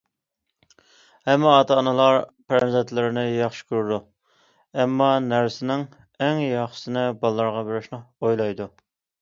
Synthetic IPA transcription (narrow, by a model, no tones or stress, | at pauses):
hɛmːɪɑt̪ʰɑːnɨlˠɑɾpɾɛmzɛt̪ʰlɪɾɪnɪjɑχʃɪ̥kʲʰyɾud̪u | ɛmːɑnæɾsɪnɪŋ | ɛŋjɑχʃɪ̥sɪnɪbɑlˠːɑɾʁɑbeɾɪʃnɪojlˠɑjd̪u